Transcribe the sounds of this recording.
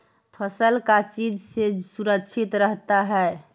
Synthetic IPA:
pʰəsəlkat͡ʃid͡ʒsed͡ʒsuɾəkt͡ʃʰit̪ɾəɦt̪aɦɛe

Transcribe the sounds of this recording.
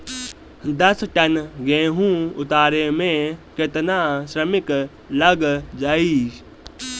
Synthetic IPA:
d̪ɐsʈɐnɡẽːɦũʊt̪aːɾemẽkɪt̪naʃɾəmɪk | ləɡd͡ʒaːi

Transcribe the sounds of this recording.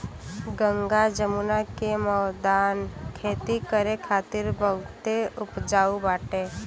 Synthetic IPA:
ɡə̃ŋɡad͡ʒəmunakemɔːd̪aːnkʰeːt̪ikəɾekʰaːt̪ɪɾbəɡt̪eʊpd͡ʒaːubaːʈeː

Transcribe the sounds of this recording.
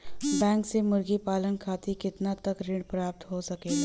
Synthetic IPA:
bɛ̃ːŋksemʊɾɡipaːlənkʰaːt̪ikɪt̪nat̪ɐkɾɪ̃ɳɖpɾaːp̚t̪ɦosɐkeː

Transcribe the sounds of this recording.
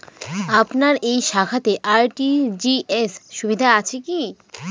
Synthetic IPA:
apnaɾejʃakʰat̪eʔaɾʈid͡ʑiesʃubid̪ʱaat͡ɕʰeki

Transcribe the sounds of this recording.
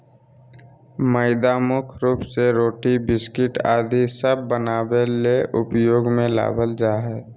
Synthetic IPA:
məɪd̪aːmʊkʰɾuːpseɾoːʈibɪskɪʈa̰ːd̪ʱisəbːənaːbeleʔʊpjoːɡmẽla̰ːbʱəld͡ʒaːɦɛː

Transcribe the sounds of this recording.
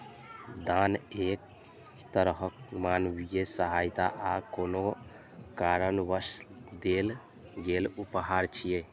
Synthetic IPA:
d̪anek̚ | t̪əɾɦəkmanʋijesəɦajt̪aʔakono | kaɾənʋəsd̪el | ɡelupɦaɾt͡ʃʰije

